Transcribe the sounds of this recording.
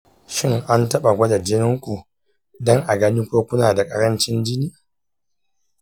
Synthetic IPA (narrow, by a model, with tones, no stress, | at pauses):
ʃɪ˦ŋʔa˦ntɐ˦ɓa˨ɡʷɐ˦da˨d͡ʒɪ˦nɪ˦ŋkʷu˨ | dɔ˦ŋʔa˨ɡɐ˦ni˦kʷoː˦kʷʊ˦naː˨da˨kʼɐ˦ɾɐ˦nt͡ʃɪ˦nd͡ʒɪ˦niː˦